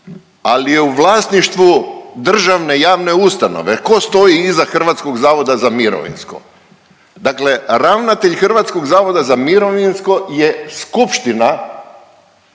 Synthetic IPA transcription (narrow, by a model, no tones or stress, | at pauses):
alijeuʋlˠaːsniʃt̪ʋud̪r̩ʒaʋne̞jaːʋne̞ust̪ano̞̰ʋeko̞st̪o̞jiizaxr̩ʋat̪sko̞ɡzaːʋo̞d̪azamiɾo̰ʋḭnsko̞̰ | d̪akle̞ɾaʋnat̪eʎxrʋat̪sko̞ɡzaːʋo̞d̪azamiɾo̞ʋinsko̞je̞skupʃt̪ina